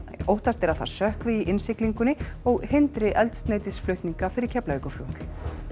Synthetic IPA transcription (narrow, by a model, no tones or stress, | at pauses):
owht̪ast̪ɛɾaθa̰̥sœhkvɪiʔɪnsɪkliŋkʏnːɪɔɣhɪnt̪ɾɪʔɛlt̪st̪neːjt̪ɪsflʏht̪niŋkafɪɾɪɾ̥cʰɛplaikʏfloːwʏt̪l̥